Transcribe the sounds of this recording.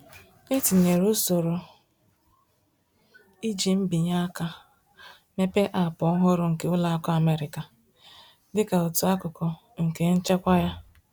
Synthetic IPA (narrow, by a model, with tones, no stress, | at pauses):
e˦ti˨ne˨ɾu˦so˨ɾo˨ | i˦d͡ʒi˨m̩˦bi˨ɲa˦ka˦ | me˦pe˦ʔa˨pɔ˨˦ɦʊ˦ɾʊ˨ŋ̩˨ke˨ʊ˦la˦a˦kɔ˦a˨me˦ɾɪ˨ka˨ | dɪ˦ka˨ʊ˨tʊ˨a˦kʊ˨kɔ˨ | ŋ̩˨ke˨˦n̩˦t͡ʃe˦kʷa˦ja˦